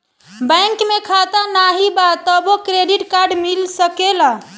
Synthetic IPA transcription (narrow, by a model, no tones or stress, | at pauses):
bəjŋkmekʰat̪anaɦibat̪əbokɾeɖiʈkaɾɖmilsəkela